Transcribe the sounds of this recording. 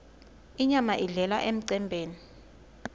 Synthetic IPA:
iɲamaʔiɮɛlaʔem̩ǀɛmbʱeːni

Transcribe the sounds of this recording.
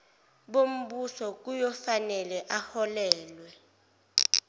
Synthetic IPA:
ɓom̩ɓusɔk̬ujɔfanɛlɛʔahɔlɛːlwɛ

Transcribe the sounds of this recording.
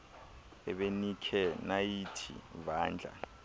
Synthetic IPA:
ɛ̰ɓenikʰɛnajitʰḭvaːnd͡ɮʱa̰

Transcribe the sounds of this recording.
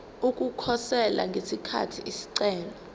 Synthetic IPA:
ukʼukʰɔsɛla̰ŋɡʱesikʰa̰tʰiʔisi̥ǀɛːla

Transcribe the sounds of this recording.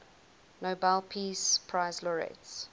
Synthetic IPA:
nobalpʰiːspʰɹaɪzlɔɹɛ̰ts

